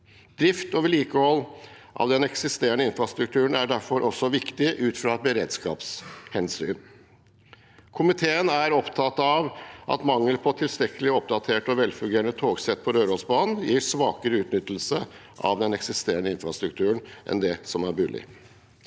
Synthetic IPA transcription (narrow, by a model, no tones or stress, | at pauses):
d̪ɾɪft̪ɔʋɪliːkəhɔlː | ʔɑ̰ʋd̪ɛnɛksɪst̪eːəɳəɪnfɾɑst̪ɾʉkt̪ʰʉːəɳæɖæɾfɔɾʔɔsːɔʋɪkt̪ɪʔʉːt̪fɾɑɛt̪̚bəɾeːd̪skɑ̰ːpshɛnsy̰ːn | kʰʊmɪt̪ʰeːənæɾɔpt̪ʰɑt̪ɑʋʔɑ̰t̪mɑŋːəlpʰɔt̪ʰɪlst̪ɾɛkːəlɪɔp̚d̪ɑt̪ʰeːʈɔʋɛlfʉŋɡeːɾəɳət̪ʰoːɡsɛt̪̚ːpʰɔɾøːɾɔlsbɑːnn̩jiːɾʂʋɑːkəɾəʉːt̪nʏt̪ːl̩sə | ʔɑ̰ʋd̪ɛnɛksɪst̪eːəɳəɪnfɾɑst̪ɾʉkt̪ʰʉːɳʔɛ̰nd̪ɛsɔmæɾbʉːlɪ̰